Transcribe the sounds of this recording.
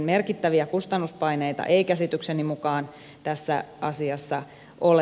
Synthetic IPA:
nmerkit̪ːæʋiækust̪ɑnːuspɑineit̪ɑ̰ʔeikæsit̪yksenimukɑːn | t̪æsːæ̰ʔɑsiɑsːɑ | ʔol

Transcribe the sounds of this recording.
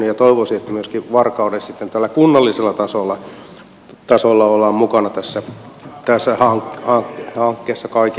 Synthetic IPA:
yjɑt̪oiʋosiet̪ːæmyøskiʋɑrkɑudessit̪ːent̪ælːækunːɑlːiselːɑt̪ɑsolːɑ | t̪ɑsolːɑolːˑɑːmmukɑnɑt̪æsːæ | t̪æsːæhɑŋkhɑŋkhɑŋkːeːsːɑkɑik

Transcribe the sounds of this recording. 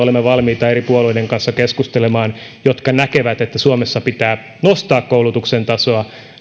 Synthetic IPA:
olemːeʋɑlmiːt̪ɑeɾipuoluideŋkɑnsːɑkeskust̪elemɑːnjot̪kɑnækeʋæt̪et̪ːæsuomesːɑpit̪æː | nost̪ɑːkkoulut̪uksent̪ɑsoɑ

